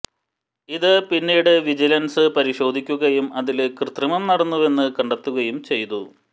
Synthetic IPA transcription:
iðɨpinːiːɽɨʋid͡ʑilɐnsɨpɐɾiɕo̞ːd̪ʱikʲːuɣɐjumɐðilkrɨt̪rɐmɐmnɐɽɐnːuʋe̞nːɨkɐɳɖɐt̪ːuɣɐjumt͡ɕe̞jt̪u

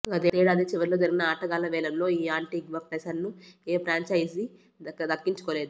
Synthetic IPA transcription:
ɡɐd̪ːɾeːɽaːd̪it͡ʃiʋɐɾilo̞ːd͡ʒɐɾiɡinɐaːʈɐɡaːlɐʋɛːlɐmlo̞ːiːaːɳʈiɡʋɐpesɐɾnueːpɾaːɲt͡ʃɐjisi | ɐd̪ɐkːiɲt͡ʃu̥koːle̞ːd̪u

